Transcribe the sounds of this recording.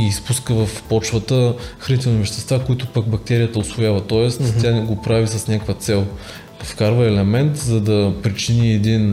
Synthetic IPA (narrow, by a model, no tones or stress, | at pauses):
iːspuskəvɐfpɔt͡ʃvət̪əxɾɐnit̪ɛlˠnivəʃt̪ɛst̪vakʊit̪ʊpək̚bɐk̚t̪ɛɾijət̪əʊsvʊjavɐt̪ɔɛst̪ʲanɛɡopɾavisɐsnʲakvət̪sɛlˠ | fkaɾvəɛlɛmɛnt̪zɐd̪ɐpɾit͡ʃiniɛd̪in